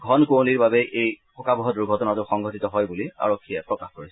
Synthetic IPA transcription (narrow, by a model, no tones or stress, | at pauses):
ɡʱɔnkowniɹbabɛʔejpʰɔkabɔɦɔdʊɹɡʱɔtɔnazʊxɔŋɡʱɔtitɔɦɔjbulia̰ɹokʰːijɛpɹɔkaxkoɹisɛ